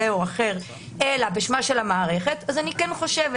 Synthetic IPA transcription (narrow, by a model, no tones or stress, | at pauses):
eoaχeʁ | ʔelabeʃmaʃelamaːʁe̞χetazanikɛnχo̞ʃev